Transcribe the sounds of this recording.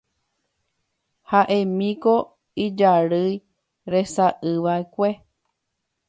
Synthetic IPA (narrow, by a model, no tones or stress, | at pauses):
haʔẽ̞mĩko | id͡ʒaɾɨj | ɾe̞saʔɨʋaekʷe